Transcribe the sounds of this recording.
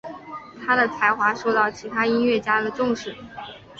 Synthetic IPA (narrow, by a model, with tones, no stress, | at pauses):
t̪ʰa˥d̪ə˨t͡sʰa˧˥ɪxwa˧˥ʂo˥˧ʊt̪ɑ˥˩ʊt͡ɕʰi˧˥t̪ʰa˥i˥nɥɛ˥˩t͡ɕja˥lə˨ʈ͡ʂʊ˥˧ŋʂɻ̩˥˩